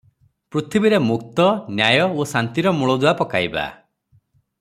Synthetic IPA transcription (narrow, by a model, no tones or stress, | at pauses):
pɾut̪ʰibiɾemuk̚t̪ɔnjajɔosant̪iɾɔmuɭɔd̪uwapɔkaiba̰